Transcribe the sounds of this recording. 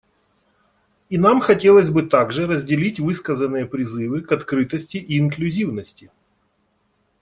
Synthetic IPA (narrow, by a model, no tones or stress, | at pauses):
inamxɐtʲe̞lˠəzʲbɨt̪aɡʐɨrəzʲdʲɪlʲitʲvɨskəzənːɨjəpɾʲɪzɨvɨkɐt̪kɾɨt̪əsʲtʲɪʔiːnklʲʉzʲivnəsʲtʲɪ